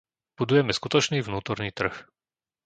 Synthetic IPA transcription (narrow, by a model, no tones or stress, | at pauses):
b̥ud̪ujɛmɛskut̪ɔt͡ʃniːvnuːt̪ɔɾniːt̪r̩x